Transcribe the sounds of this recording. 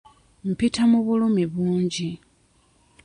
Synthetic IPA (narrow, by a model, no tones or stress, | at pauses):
m̩pitʰamuβulomiβuːɲɟi